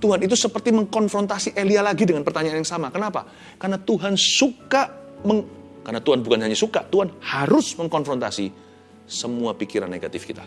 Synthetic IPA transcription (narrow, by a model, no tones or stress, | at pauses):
t̪uɦanit̪̬usəpərt̪iməŋkɔnfɾɔnt̪asiʔelialaɡidəŋanpərt̪aɲaanjaŋsamakənapa̰ | karnat̪uɦansukaməŋkarnat̪uɦanbukanɦaɲasukat̪uɦanhaɾʊsməŋkɔnfɾɔnt̪a̰si | səmuapikiɾa̰nːḛɡa̰t̪ɪfkit̪a̰